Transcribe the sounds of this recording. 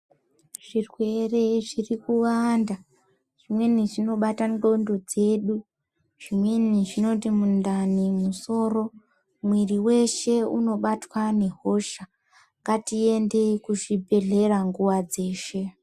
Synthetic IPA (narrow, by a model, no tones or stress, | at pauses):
ʐ̥irwe̞re̞ʐirikuwanda | ʐ̥imwe̞niʐino̞ɓatando̞ndo̞d͡ze̞ɗu | ʐ̥imwe̞niʐino̞timundanimuso̞ːro̞ | mwiriwe̞ʃe̞uno̞ɓatwane̞ɦo̞ʃa | ŋɡatie̞nde̞kuʐibʱe̞ɮe̞ɾaŋɡuwad͡ze̞ːʃe̞